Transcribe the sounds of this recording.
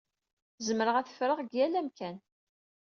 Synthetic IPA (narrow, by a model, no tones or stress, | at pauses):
zəmɾəʁæθə̥fɾəʁɡjælæmkæn